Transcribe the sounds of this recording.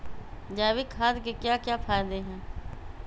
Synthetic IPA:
d͡ʒaːʋikʰaːd̪kekjaːkjaːpʰaːjd̪eɦɛ̃ː

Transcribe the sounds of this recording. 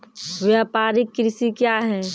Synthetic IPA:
ʋjapaːɾɪkːɾɪsikjaɦɛː

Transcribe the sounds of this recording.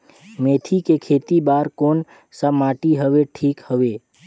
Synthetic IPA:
meːt̪ʰikekʰeːt̪ibaːɾkoːn | səmaːʈiɦəʋeʈʰiːkhəʋeː

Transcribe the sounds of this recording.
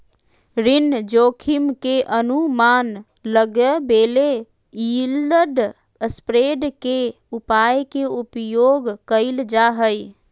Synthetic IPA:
ɾɪnd͡ʒoːkʰimkeʔənuman | ləɡəbeːle | iləɖ | spɾeɖke | upajkeupjoːɡkəɪld͡ʒaɦəj

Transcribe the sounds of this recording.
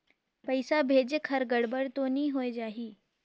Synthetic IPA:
pəjsabʱed͡ʑekʰəɾɡəɽbəɽt̪oniːɦojd͡ʑaɦiː

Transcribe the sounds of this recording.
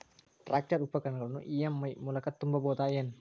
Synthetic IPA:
rak̚t͡ʃaɾupakankalnṵʔijamimulakat̪ːumbabɔt̪ajɛn

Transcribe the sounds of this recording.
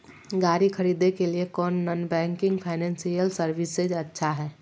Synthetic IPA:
ɡaːɾikʰəɾid̪ekeliekɔːnːənbɛ̃ŋkɪ̃ŋɡpʰaɪnɛ̃nsijəlsəɾʋɪsed͡ʒətːʃʰaɦɛː

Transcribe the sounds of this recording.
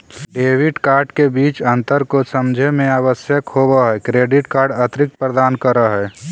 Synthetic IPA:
ɖeːʋɪɖkaːɾɖkebiːt͡ʃə̃nt̪əɾkosəmd͡ʒʱemẽaːʋəsjəkhobaɦɛkɾeːɖɪʈkaːɾɖət̪ɾɪk̚t̪̚pɾəd̪aːnkəɾəɦɛː

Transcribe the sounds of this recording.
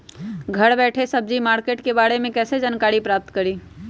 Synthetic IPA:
ɡʱəɽbɛʈʰesəb̚d͡ʒimaɾkeʈkebaɾemekɛsed͡ʒankaɾipɾap̚t̪kəɾi

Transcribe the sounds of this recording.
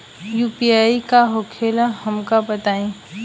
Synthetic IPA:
juːpiaːikaɦoːkʰeːlahɐmkabɐt̪aːẽː

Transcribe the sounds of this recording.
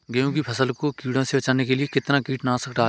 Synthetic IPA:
ɡɐjõːkipʰɐsəlkokiːɽõsebɐt͡ʃaːnekeliekɪt̪nakiːʈnãːsəkɖaː

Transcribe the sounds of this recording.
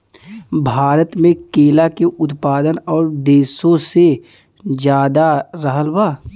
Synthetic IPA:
bʱaːɾət̪mẽkeːlakeʔʊt̪paːd̪ənɔːɾd̪eːsõse | d͡ʒjaːd̪aɾəɦəlbaː

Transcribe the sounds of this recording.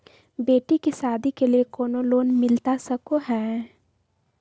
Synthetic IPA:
beːʈikisaːd̪ikeliekɔːnoloːnmɪlt̪asəkoɦɛ̃ː

